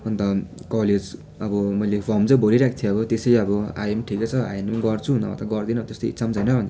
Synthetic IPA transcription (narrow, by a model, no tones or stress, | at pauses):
ʌnt̪ʌkʌled͡z | ʌbʌmʌjlepʰʌmt͡sʌ̃bʱoɾiɾakʰi̥t̪ʰjeʌbʌt̪esʌjʌbʌa̰jemʈʰiket͡sʰʌa̰jenmaɡʌrt͡sʰunʌ̰ʌ̰t̪aɡʌrd̪inʌt̪est̪oḭsʰamt͡sʌjnʌbʌnd̪